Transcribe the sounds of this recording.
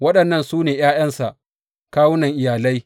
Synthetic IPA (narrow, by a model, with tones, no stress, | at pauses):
wɐ˦ɗɐ˨nːɐ˦˨nsuː˦neː˨j̰aː˦jɐ˦nsa˨ʔ | kaː˦wʊ˦nɐ˨ŋʔɪ˨jaː˨la˦j